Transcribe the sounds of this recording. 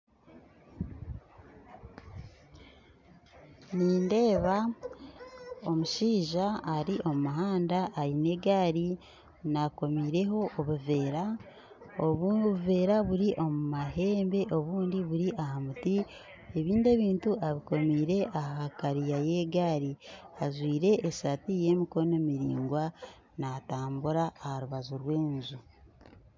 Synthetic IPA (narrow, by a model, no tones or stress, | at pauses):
niːnde̞ːβa | o̞muʃiːʒaːɾiʔo̞mumaɦaːndaʔːjine̞ːɡaːɾi | nako̞miːɾe̞ɦo̞ʔːβuve̞ːɾa | oβuve̞ːɾaβuɾiʔo̞mumaɦe̞ːmbe̞ʔo̞βuːndiβuɾiʔaɦamuti | eβiːnde̞ːβiːntuʔaβiko̞miːɾe̞ʔaɦakaɾijaje̞ːɡaːɾiaʒwiːɾe̞ʔːsatije̞ːmiko̞no̞miɾḭːŋɡwa | nataːmbuɾaːhaɾuβazuɾwe̞ːnzu